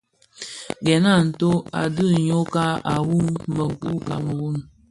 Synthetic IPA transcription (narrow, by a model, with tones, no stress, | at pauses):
ɡɛ˨na˦˨n̩˨to˦a̰˨dɨ˦˨ɲo˦ka˦a˨wu˦ŋmə˨k͡pu˦ka̰˨mə˨wu˦˨n